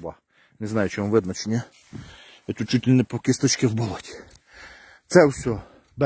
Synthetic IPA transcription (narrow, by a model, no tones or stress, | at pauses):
bɑ | neznajʊt͡ʃɪʋɔnʋɪd̪nɐt͡ʃenʲɐ | it̪ut̪̚t͡ʃutʲlʲnɛpɔkɪst̪ɔt͡ʃʲkɪwbɔlˠɔtʲi̥ | t̪sɛwsʲɔ | d̪